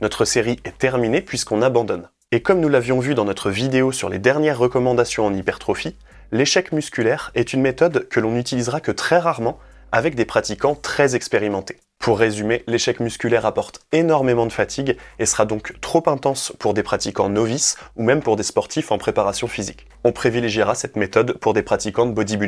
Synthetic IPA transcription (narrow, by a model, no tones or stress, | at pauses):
nɔt̪χəseʁiʔɛt̪ɛʁminepʰɥiskɔ̃nabɑ̃d̪ɔn | ekɔmnulavjɔ̃vyd̪ɑ̃nɔt̪χəvid̪eosyʁled̪ɛʁnjɛʁːəkɔmɑ̃d̪asjɔ̃ɑ̃nipɛʁt̪χɔfi | leʃɛkmyskʲylɛʁɛt̪ynmet̪ɔd̪kəlɔ̃nyt̪ilizʁakət̪χɛʁaʁmɑ̃ | a̰vɛk̚d̪epχat̪ikɑ̃t̪χɛzɛkspeʁimɑ̃t̪e̥ | pʰuʁːezymeleʃɛkmyskʲylɛʁapɔʁt̪enɔʁmemɑ̃d̪əfat̪ʰiɡesəʁad̪ɔ̃kt̪χopɛ̃t̪ɑ̃spuʁd̪epχat̪ikɑ̰̃nɔvisumɛmpuʁd̪espɔʁt̪ifɑ̃pχepaʁasjɔ̃fizik | ɔ̃pχivileʒiʁasɛt̪met̪ɔd̪puʁd̪epχat̪ikɑ̃d̪əbɔd̪iby